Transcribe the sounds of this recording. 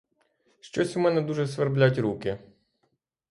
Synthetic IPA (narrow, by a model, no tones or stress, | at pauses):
ʃt͡ʃɔsʲumɛnɛd̪uʒɛsʋɐrblʲatʲɾukʲɪ